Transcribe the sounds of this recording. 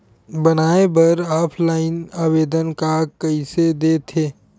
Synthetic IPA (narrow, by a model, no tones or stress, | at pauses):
bɐnaːebɐɾaːpʰlaːɪnaːweːd̪ənkakɐised̪eːt̪ʰeː